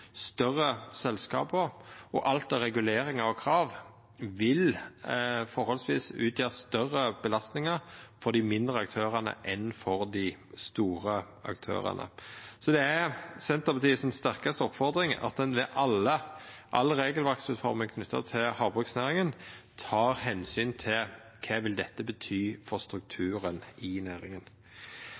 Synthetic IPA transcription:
st̪œʁːəsɛlskɑ̰ːpəɔʔɑlt̪ɛɾɛɡʉleːɾɪŋɑɔkʰɾɑːʋ | ʋɪl | fɔɾhɔlsʋḭːsʉ̰ːt̪ʰjøːst̪œrːəb̥əlɑst̪nɪŋəʁfɔd̪ɪmɪnd̪ʁəɑk̚t̪ʰøːʁənə̰ʔɛnfɔɾd̪ɪst̪uːʁə | ɑ̰kt̪ʰø̰ːʁə̰nə̰sɔd̪ɛæsɛnt̪əʁpɑt̪ʰiːəsɛnst̪æʁkɑst̪əɔpfɔʁd̪ʁɪŋɑ̰t̪̚d̪ɛnʋɛʔɑlːəʔɑlːəɾeːɡəlʋɑk̚t̪sʉːt̪fɔɾmɪŋkʰnʉt̪ʰːɑ̰t̪ʰɪlhɑːbʁʉksnæːʁɪŋənt̪ʰɑːʁhɛnsyːnt̪ʰɪl | kʰɑːʋɪld̪ɛt̪ːəbət̪ʰyːfɔɾʁst̪ɾʉk̚t̪ʰʉːɾənɪnæːɾɪŋən

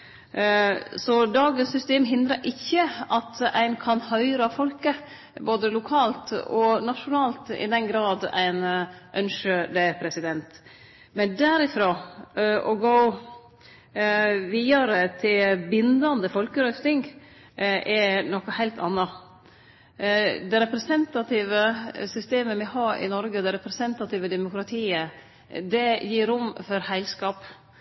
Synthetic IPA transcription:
sɔd̪ɑːɡəsːʏst̪eːmɦɪnd̪ɾəɾʔɪçːəɑt̪æ̰ɪnkʰɑnhœʏɾɑfɔlkə | boːd̪əlʊkʰɑːlt̪ɔnɑʂʊnɑːlt̪ɪ̰d̪ɛnɡɾɑːd̪æ̰ɪnʔœnʂəd̪ɛpʰɾɛsɪd̪ɛnt̪ | mɛnd̪æɾɪfɾoːʔɔɡoʊ | ʋiːɑɾət̪ʰɪlbɪnd̪ɑnd̪əfɔlkəɾœft̪ɪŋɡ | ʔɛnɔkɑhæɪlt̪ɑ̰nːɑ | d̪ɛɾɛpɾɛsɛnt̪ɑt̪ɪːʋəsʏst̪eːməmɪhɑːɾʔɪ̰nɔɾɡəd̪ɛɾɛpɾɛsɛnt̪ɑt̪ɪːʋəd̪ɛmʊkɾɑt̪ʰiːə | d̪ɛjiːɾːʊmfɔɾhæɪlskɑːp

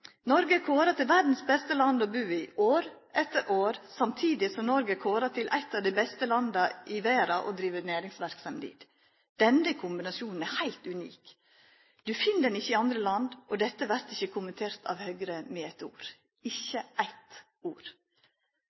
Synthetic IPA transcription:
nɔɾɡəkʰoːɾət̪ɪlʋæɾd̪n̩sbɛst̪əlɑnd̪ɔbʉːɪʔoːɾ | ɛt̪ːəɾʔoːɾsɑmt̪ʰiːd̪ɪsɔmnɔɾɡəkʰoːɾɑt̪ʰɪlʔæ̰ɪt̪ːɑːʋd̪ɛɪbɛst̪əlɑnd̪ɑʔɪʋeːɾɑʔɔ̰d̪ɾiːʋənæːɾɪŋsʋæɾksɑmd̪ḭːt̪ | d̪̥ɛnəkʰʊmbɪnɑsjuːnn̩æɾhæɪlt̪ʉnḭːk | d̪̥ʉfɪnːəd̪ɛnɪçːəɪɑnd̪ɾəlɑnd̪ɔd̪ɛt̪ːəʋæɾt̪ɪçəkʰʊmənt̪ʰeːɾt̪ʰɑ̰ʋhœɡɾəmɛæɪt̪ṵːɾ | ɪçːəæɪt̪ | uːɾ

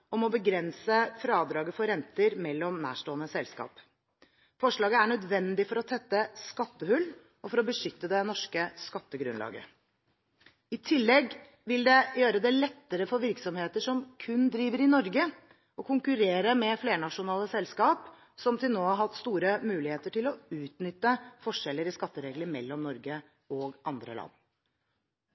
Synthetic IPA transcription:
ɔmɔbəɡɾɛnsəfɾɑːd̪ɾɑːɡəfɔɾɛnt̪əɾmɛlːɔmnæ̰ːʂʈoːənəsɛlskɑ̰ːp | fɔʂɭɑːɡəæɳœd̪ʋɛnd̪ɪfɔɾɔt̪ʰɛt̪ːəskɑt̪ːəhʉlː | ɔfɔɾɔbəʂʏt̪ːəd̪ɛnɔʂkəskɑt̪ːəɡɾʉ̰nlɑ̰ːɡə̰ | ɪt̪ʰɪlːɛɡ | ʋɪld̪ɛjøːɾəd̪ɛlɛt̪ːəɾəfɔɾʋɪɾksɔmheːt̪əʂɔmkʰʉnd̪ɾiːʋəɾɪnɔɾɡə | ɔkʰʊŋkʉɾeːɾəmɛfleːɳɑʂʊnɑːləsɛlskɑːp | sɔmt̪ʰɪlnoːɑɦɑt̪st̪uːɾəmʉːlɪheːt̪əʈɪlɔʉːt̪nʏt̪ːəfɔʂɛlːəɾɪskɑt̪ːəɾeːɡləɾmɛlːɔmnɔɾɡə | ɔɡɑnd̪ɾə̰lɑ̰nː

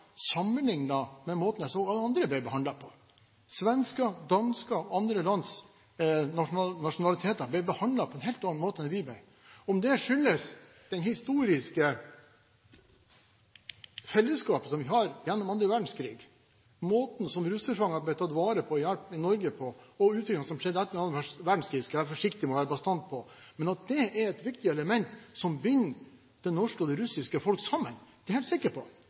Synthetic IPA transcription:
sɑmːənlɪŋnɑmɛmoːt̪n̩jæɪsoːɡɑlːəɑnd̪ɾəbæbəɦɑndlɑpʰɔ | sʋɛnskɑd̪ɑnskɑɔɑnd̪ɾəlɑnd̪s | ɑnɑʂʊnɑlɪt̪ʰeːt̪ɑblæɪbəhɑnd̪lɑpʰɔɛnɦɛːlt̪ɑɑnmoːt̪əɛɾʋibæ | ɔmd̪ɛʂʏlːəs | d̪̥ɛnhɪst̪uːɾɪskə | fɛlːəskɑːpəsɔmʋɪɦɑɾjɛnːɔmɑnd̪ɾəʋæɖɳ̩skʰɾḭːɡ | moːt̪n̩sɔmɾʉsəɾfɑŋːɑbɛt̪ʰɑt̪ʋɑːɾəpʰɔjælpɪnɔɾɡəpʰɔɔʉːt̪ɾʏkɑsɔmʂɛd̪ːəɛt̪ːəɾɑnəʋæʂʋæɖɳ̩skʰɾiːɡskʋæːɾfɔʂɪkt̪ɪmɔʋæːɾəbɑst̪ɑnt̪̚pʰɔmɛnɑt̪̚d̪ɛɛɾɛt̪ʋɪkt̪ɪəɛləmɛnt̪sɔmbʏnː | d̪̥ɛnɔʂkəɔd̪ɛɾʉsɪskəfɔlksɑmːə̰nd̪ɛɾheːlt̪sɪkːəɾpʰɔ

